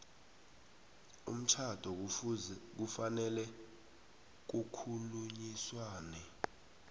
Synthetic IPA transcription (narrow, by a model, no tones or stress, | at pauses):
ṵm̩t͡ʃʰad̥ʱɔ | k̬ufanɛlɛ | k̬ukʰuluɲiswaːnɛ